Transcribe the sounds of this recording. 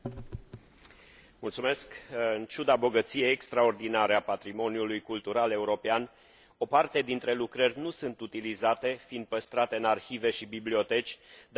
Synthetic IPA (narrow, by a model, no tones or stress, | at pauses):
mult̪sume̞skɨnt͡ʃud̪abo̞ɡət̪sije̞jekst̪ɾao̞rd̪inaɾeapat̪ɾimo̞niulujkult̪uɾale̞uɾo̞pean | o̞part̪e̞d̪int̪ɾe̞lukɾərʲnusɨnt̪ut̪ilizat̪e̞find̪̚pəst̪ɾat̪e̞ɨnarçive̞ʃibiblio̞t̪e̞t͡ʃʲd̪